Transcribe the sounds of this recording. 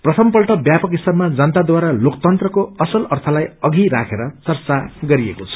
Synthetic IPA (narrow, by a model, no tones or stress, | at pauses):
prʌt̪ʰʌmpʌlʈʌbjapʌkisʌrmad͡zʌnt̪ad̪waɾalokt̪ʌnt̪rʌkoʌsʌlʌrt̪ʰʌlajʌɡʱiɾa̰kʰeɾʌt͡sʌrt͡saɡʌɾiekot͡sʰʌ̥